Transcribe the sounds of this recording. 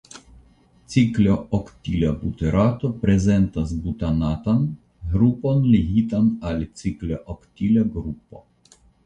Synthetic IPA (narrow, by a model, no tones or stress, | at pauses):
t̪siklʲɔʔɔkt̪ilʲabut̪ɛɾat̪opɾɛzɛnt̪asbut̪anat̪an | ɦɾuponliɦit̪analʲit̪siklʲeʔɔkt̪ilʲeɡɾupo̰